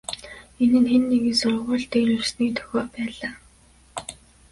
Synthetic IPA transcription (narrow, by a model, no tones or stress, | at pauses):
enɘ̆nxenːeɣɘ̆nsʊrʁʊːɮt̪eːɾɵrsniːt̪ʰɵ̥xʲɔːpæːɮaː